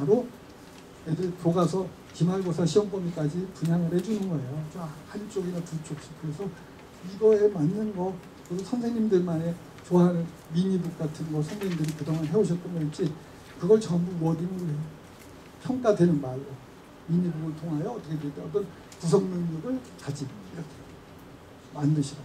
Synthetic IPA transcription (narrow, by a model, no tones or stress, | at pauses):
paɾo | edɯɾpoɡasʰʌ | kimaɭɡosʰaɕʰiwʌŋp͈ʌmik͈ad͡ʑipuɲaŋɯɾhed͡ʑunɯnɡʌejot͡ɕ͈omhant͡ɕ͈oɡinaput͡ɕ͈ok̚ɕ͈i̥kɯɾe̞sʰʌ | iɡʌemanːɯnɡʌ | kɯdosʰʌnsʰe̞ŋɲimdɯɭmane̞ | t͡ɕoaɾ | miɲibuk̚k͈atʰɯnɡʌsʰʌnsʰeŋɲimdɯɾikɯdoŋɦanɦeoɕʰʌt͈̚ʌnɡʌit͡ɕ͈i | kɯɡʌɭt͡ɕʌmbuʌdinɯnɡo | pʰjʌŋk͈adwe̞nɯnmaɭɾo | miɲibuɡɯɭtʰoŋɦajʌʌt͈ʌkʰedweɭt͈eʌt̬͈ʌn | pusʰʌŋnɯŋɲʌɡɯɭkad͡ʑiiɾʌkʰe | mandɯɕʰida